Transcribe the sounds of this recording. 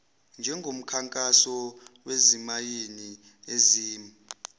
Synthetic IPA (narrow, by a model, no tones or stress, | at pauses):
nd͡ʒʱɛŋɡʱom̩kʰaŋkʼasɔwezimajeni | eziːmi